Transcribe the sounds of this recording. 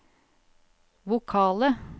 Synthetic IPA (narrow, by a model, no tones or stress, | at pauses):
ʋʊkʰɑːlə